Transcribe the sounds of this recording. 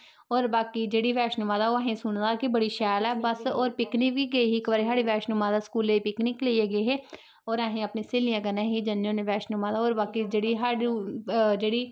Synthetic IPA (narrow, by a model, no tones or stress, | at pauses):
ɔːɾbaːkiːd͡ʒeːɽiːʋɛːʃnʊmãːd̪aːoːɦẽːsʊɳd̪aːkɪbəɽiːʃɛːlɛːbəsoːɾpɪknikʋiːɡeːɦiːkʋaːɾiːɦaːɽiːʋɛːʃnʊmãːd̪aːsə̥kuːleːiːpɪknɪkleieːɡeːɦeː | ɔːɾaːɦẽːəpnẽːseːlijãːkənãːɦiːd͡ʒənõːneʋɛːʃnʊmãːd̪aːoːɾbaːkiːd͡ʒeːɽiːɦaːɽ | d͡ʒeːɽiː